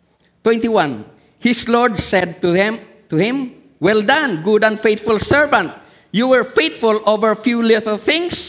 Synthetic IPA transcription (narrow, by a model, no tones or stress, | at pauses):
t̪wɛ̃nt̪iwãn | hɪslɔɹdsɛd̪̚tu | t̪uhɪ̃m | wɛld̪ãnɡudãnfejt̪fʊlsɛɹvãnt̪̚ | juwɛɹfet̪fʊlʔovəɹfjulɪt̪əl̩θɪ̃ŋs